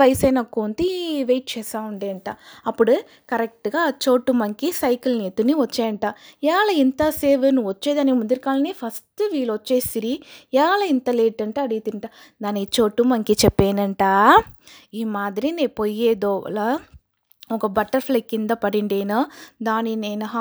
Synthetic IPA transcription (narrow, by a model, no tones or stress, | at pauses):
ɐjsɐjnɐkːoːnt̪iʋeːʈ̚t͡ʃɛːsaːuɳɖeːɐɳʈaːɐpːuɽu | kɐɾek̚ʈɡaːt͡ʃoːʈːumɐŋkisɐjkilneːt̪ːuniʋɐt͡ʃːeːɐɳʈaːɛːlɐint̪ɐseːʋenuʋɐt͡ʃːeːd̪aːnikmund̪iɾkaːlɐnipʰɐsʈɨʋiːlʋɔt͡ʃːeːsiɾiɛːlɐint̪ɐleːʈːɐɳʈɐɐɽit̪iɳʈaː | d̪aːnt͡ʃoːʈːumɐŋkit͡ʃɛpːeːnɐɳʈaː | iːmaːd̪iɾineːpojːeːd̪oːɐ̰lɐ | ɔkɐbɐʈːɐɾflekːind̪ɐpɐɽiɳɖeːnɐd̪aːnineːnɐɦa